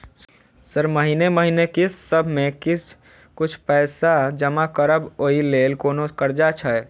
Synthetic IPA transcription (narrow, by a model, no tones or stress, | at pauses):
səɾməɦineməɦinekɪsːəbʱmẽkɪs | kʊt͡ʃʰpɛːsad͡ʒəmakəɾəboileːlkoːnokəɾd͡ʒat͡ʃʰaɛ